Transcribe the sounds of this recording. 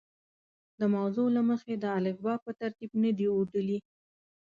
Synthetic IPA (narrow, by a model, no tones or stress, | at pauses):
d̪əmawzolaməxed̪əalɪkbɑpət̪aɾt̪ibnəd̪iuɖ̪əli